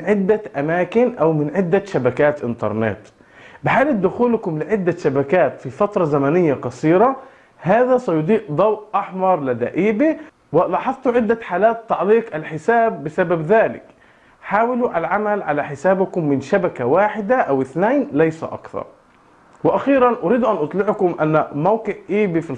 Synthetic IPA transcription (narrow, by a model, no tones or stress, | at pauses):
nʕɪd̪ːaʔamaːkɪnʔawmɪnʕɪd̪ːaʃabakaːt̪ʔɪnt̪ɑ̰ɾˤnɪ̰t̪ | bɪħaːlɪb̚d̪ʊxuːlkʊmlɪʕɪd̪ːaʃabakaːt̪fifat̪ɾˤɑzamanɪjːaqɑsˤiːɾɑ | haːðasɑjʊd̪ˤiːʔd̪ˤɑwʔʔɑħmɑɾˤlɪd̪a̰ːʔiːbi | wɪlɑːħɑðˤt̪uʕɪd̪ːaħaːlaːt̪ːɑʕliːqalħɪsaːbːɪsababðaːlɪ̰k | ħaːwɪluʔalʕamalʕalaħɪsaːbkʊmːɪnʃabakawaːħɪd̪aʔawɪθnaːnlajsa̰ʔɑ̰kθɑ̰ɾˤ | wɪʔaxiːɾɑnʔʊɾiːd̪ʔanʔʊt̪ˤlɪʕkʊmʔanːmawqɨʕʔiːbifi